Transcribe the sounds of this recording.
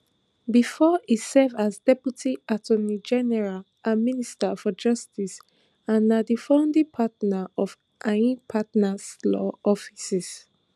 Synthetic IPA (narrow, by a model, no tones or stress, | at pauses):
bifɔisɛvazdɛpjutʰiatʰɔnid͡ʒɛnɛɹal | ʔãministafɔd͡ʒʌstis | ãnːadifãʊ̃ndĩpʰatnaɔf | ʔaĩpʰatnaslɔɔfisis